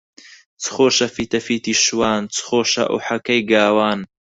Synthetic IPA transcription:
t͡sʰɨ̥xoːʃɐfiːt̪ɐfiːt̪iːʃwaːnt͡sʰχoːʃɐ̰ʔṵħɐkɐjɡaːwaːn

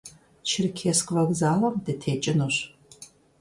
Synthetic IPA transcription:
t͡ʃʰɪrkʲʰeskʼvɐɡzaːlɐmdɨtʰeːt͡ʃʼɪnɨɕ

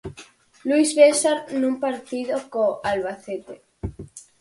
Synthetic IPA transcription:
luizβesaɾnũmpaɾt̪iðokoalβaθet̪e

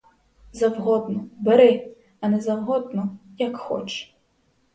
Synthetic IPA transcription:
zɐwɦɔd̪nɔbɛɾɪ | ɐnɛzɐwɦɔd̪nɔjɐkxɔ̰t͡ʃ

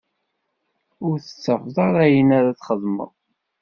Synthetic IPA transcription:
ʊɾθə̥t͡sːəfðˤɑɾˤæjənæɾæt͡sːχəðˤmə̰ðˤ

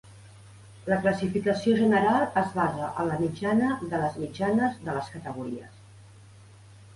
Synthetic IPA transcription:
ləkləsifikəsioʒənəɾalˠəzβazəʔələmid͡ʒanəðələzmid͡ʒanəzðələskət̪əɣ̞uɾiəs

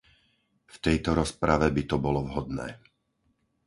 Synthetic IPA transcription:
ft̪ɛjt̪ɔɾɔspɾaʋɛbit̪ɔbɔlɔvɦɔd̪nɛ̰ː

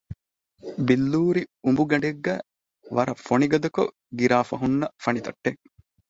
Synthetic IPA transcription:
bilːuːɾiumbuɡɐɳɖeɡːæː | ʋɐɾɐfoniɡɐd̪ɐko | ɡiɾaːfɐɦunːɐfɐnit̪ɐʈːe

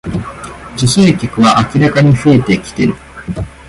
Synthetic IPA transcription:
d͡ʑoseːkʲokɯ̟βaʔakʲiɾakaɲ̟iɸɯ̟e̞t̪e̞kʲi̥t̪e̞̰ɾɯ̟

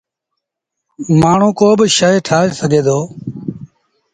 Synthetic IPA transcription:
maːɳ̤ũːkoːbʃaːeːʈʰaːeːsəɡʱeːd̪oː

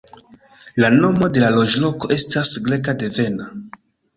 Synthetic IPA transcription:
lano̞mo̞de̞lalo̞ʒlo̞ko̞ʔe̞stasɡle̞kade̞ve̞na

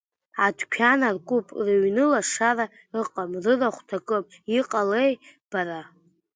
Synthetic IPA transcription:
adʰkʲʷʰanarkʷʼupʼrɨɥnɨlaʂara | rɨqʼamrɨraχʷtʰakʼɨpʼiqʼalejb̥aɾa

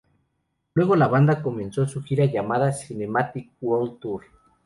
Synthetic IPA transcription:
lwe̞ɣo̞laβand̪ako̞mẽ̞nso̞suxiɾaʝamaðasine̞mat̪ik̚wolt̪uɾ

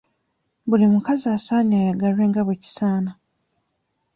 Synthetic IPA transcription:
bulimukaziaːsaːɲajaɡalwe̞ːŋɡaβweci̥saːna

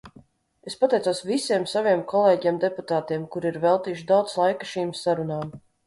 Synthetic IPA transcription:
espat̪ɛjt̪oːsvisiɛmsaviɛmkʰɔlˠeːɟɛmd̪eput̪aːt̪iɛmkuɾiɾvɛlˠt̪iːuʃ̬d̪awt̪slˠajkḁʃiːmsaɾunaːm

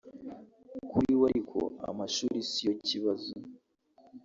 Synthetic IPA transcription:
kuɾiwaɾikʰo̰a̰maʃuɾisijo̞ciβazo

